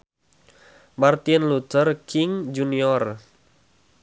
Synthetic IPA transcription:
mart̪iənlut̪ərkʰɪŋd͡ʒuniɔr

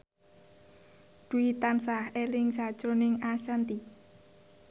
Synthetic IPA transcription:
d̥uit̪ansahelɪŋsḁʒ̥ɾonɪŋasant̪i

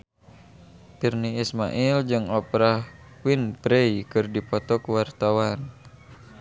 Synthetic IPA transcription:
pirniːsma̰ʔild͡ʒɨŋɔpɾa | winpɾeikɨrdipɔt̪ɔkuwart̪awan

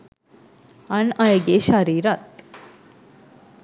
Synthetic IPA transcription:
ɐɳajɡeɕaɾiːɾat̪

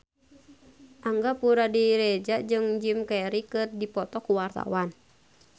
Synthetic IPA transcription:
ʔaŋɡapuɾadiɾɛd͡ʒaʔd͡ʒɨŋd͡ʒimkɛɾikɨrdipɔt̪ɔkuwart̪a̰wan

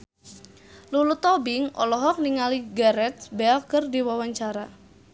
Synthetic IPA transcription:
lulut̪ɔbɪŋʔɔ̰lɔɦɔk̚niŋaliɡaɾɛt̪̚bɛlkərdiwawaɲt͡ʃaɾa

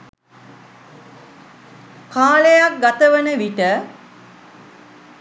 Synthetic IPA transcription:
kaːlejak̚ɡat̪əʋənəʋiʈə

